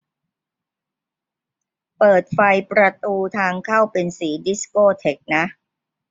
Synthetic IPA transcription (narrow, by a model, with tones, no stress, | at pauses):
pɤː˨˩t̪̚fa˧jpɾa˧t̪uː˧t̪ʰaː˧ŋkʰa˥˩wpe˧nsiː˩˦di˦˥si̥˦koː˥˩t̪ʰe˦˥k̚na˦˥ʔ